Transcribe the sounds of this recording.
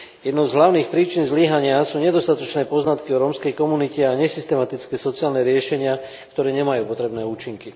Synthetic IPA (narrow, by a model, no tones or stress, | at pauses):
jɛd̪nɔʊzɦlaʊniːxpɾiːt͡ʃinzliɦaɲɪasuːɲɛd̪ɔst̪at̪ɔt͡ʃnɛːpɔznat̪kiɔɾɔmskɛjkɔmunicɛaɲɛsist̪ɛmat̪it͡skɛːsɔt͡siaːlnɛɾɪɛʃɛɲɪa | kt̪ɔɾɛːɲɛmajuːpɔt̪ɾɛbnɛːuːt͡ʃiŋki